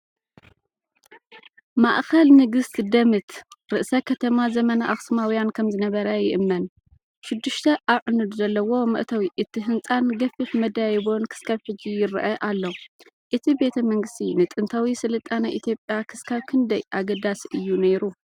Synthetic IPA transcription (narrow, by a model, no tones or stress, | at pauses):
maʔxɐlnɨɡɨst̪d̪ɐmɨt̪ɾɨʔsɐkʰɐt̪ʰɐmazɐmɐnaʔːxsmawjankʰɐmzɨnɐβɐɾɐjɪʔɨmːɐn | ʃɪɨd̪ːɨʃt̪ʰɐʔaβʕɨnɨd̪zɐlːɐwo̞mɨ̰ʔt̪ʰawiʔɨt̪ʰːɨɦɨnt͡sʼanɡɐfɨħmɐd̪ajɪβonkʰɨ̥skʰaβħɨd͡ʒijɪɾʔɐʔalːo | ʔɨt̪ʰibe̞t̪ʰɐmɐŋɡɨst̪ʰinɨt̪ʼɨnt̪ʰawisɨlɨt̪ʼːanaʔit̪ʰjo̞pʼjakʰɨskʰaβkʰɨnd̪ɐjʔaɡɐd̪asiʔɨjːuneɾu